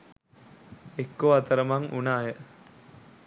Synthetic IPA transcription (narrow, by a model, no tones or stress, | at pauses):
ekːoat̪əɾəmaŋṵnaːjə